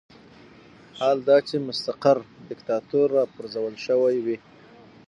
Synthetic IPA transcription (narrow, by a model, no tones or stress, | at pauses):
hald̪ɑt͡ʃemʊst̪aqaɾɖɪkt̪ɑt̪uɾːɑpʊɾzawəlʃəwajwi